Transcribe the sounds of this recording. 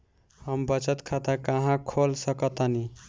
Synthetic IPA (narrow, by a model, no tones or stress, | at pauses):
həmbət͡ʃət̪kʰat̪akaɦãkʰolsəkʌt̪ani